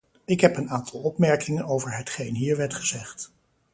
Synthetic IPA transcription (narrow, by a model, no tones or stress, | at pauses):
ɪkɦɛpənaːntʰɑlˠɔpmɛɹkɪŋənowvəɹɦətχejnɦiːɹʋɛɹtχəz̥ɛχt